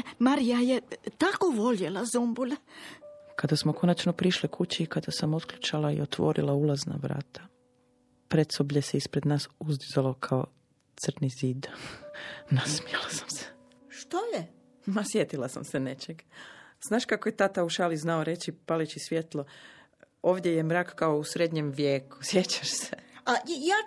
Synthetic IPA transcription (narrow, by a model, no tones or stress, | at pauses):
maɾijajet̪akoʋo̞ʎelazumbulʲ | kad̪asmokʰo̞nat͡ʃno̞pɾiʃlikʰut͡ɕiːkad̪asamot̪kʎut͡ʃalaḭot̪ʋo̞̰ɾʔḭlaulˠazna̰ʋɾa̰ːt̪ʰḁ | pɾet̪sobʎeseispɾed̪naːsuzd̪izalˠo̞kʰao | t̪sr̩niziːd̪ | nasmielasḁmse̥ | ʃt̪oje | masjet̪ilasa̰msene̞t͡ʃeɡz̥naːʃkakojet̪at̪auʃaliznaoɾe̞t͡ɕipalit͡ɕisʋjet̪lˠo | o̞ːʋd̪jejemɾaːkkaousɾed̪ɲemʋjeːku̥sje̞t͡ɕḁʃseajaː